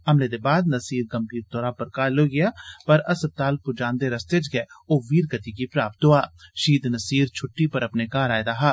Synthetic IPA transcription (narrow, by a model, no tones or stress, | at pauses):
ɐmled̪ebaːd̪̚nɐsiːɾkɐ̃mpiːɾt̪ɔːɾapɐɾkaːloɡɪjaːpɐɾɐsəb̚t̪aːlpʊd͡ʒãːnd̪eɾɐst̪ed͡ʒɡɛoːʋiːɾɡət̪ikipɾaːp̚t̪ɦoaːʃiːd̪nɐsiːɾt͡ʃʰʊʈːipɐɾɐpnekaːɾaːjd̪aːɦaː